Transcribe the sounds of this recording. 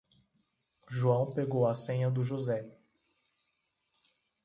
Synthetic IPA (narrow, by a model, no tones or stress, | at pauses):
ʒuɐ̃w̃peɡowɐsẽɲɐd̪ʊʒozɛ